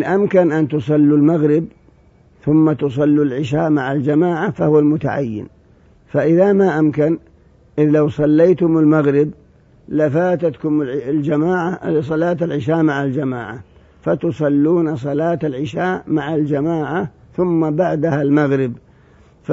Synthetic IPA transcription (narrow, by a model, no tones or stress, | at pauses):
nʔamkanʔant̪ʊsˤɑlːulmaɣɾɪb | θʊmːat̪ʊs̬ˤɑlːulʕɪʃaːʔmaʕald͡ʒamaːʕafahʊwalmʊt̪a̰ʕa̰jːɪ̰n | faʔɪðamaʔamkan | ʔɪðlawsˤɑlːejt̪ʊmɪlmaɣɾɪb | lafaːt̪at̪kʊmld͡ʒamaːʕas̬ˤɑlaːt̪alʕɪʃaːʔmaʕald͡ʒamaːʕa | fat̪ʊsˤɑlːuːnasˤɑlaːt̪alʕɪʃaːʔmaʕald͡ʒamaːʕa | θʊmːabaʕd̪ahalmaɣɾɪb | f